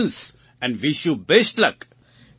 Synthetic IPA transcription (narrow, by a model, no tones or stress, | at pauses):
ns | ɛ̃nɖʋiʃjubesʈlɐk